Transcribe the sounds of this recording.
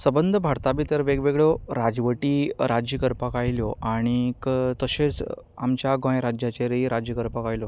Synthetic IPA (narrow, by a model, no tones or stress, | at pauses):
səbənd̪ʱəbʱaɾt̪abit̪əɾʋeɡʋeɡɭjoɾad͡zʋəʈiːɾad͡ʑjəkəɾpakajljoʔaɽ̃ikət̪əɕet͡s | amt͡ɕjaɡõjɾad͡ʑjat͡ɕeɾeiɾad͡ʑjəkəɾpakajlo